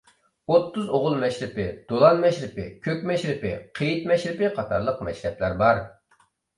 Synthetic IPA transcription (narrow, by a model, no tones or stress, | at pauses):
ot̪ʰːuzoʁʊlˠmɛʃɾɪpɪd̪̥olˠɑnmɛʃɾɪpɪ̰kʲʰøkʲmɛʃɾɪpɪ̰qʰejit̪mɛʃɾɪpɪqʰɑt̪ʰɑɾlˠəqmɛ̰ʃɾɛplæɾbɑɾ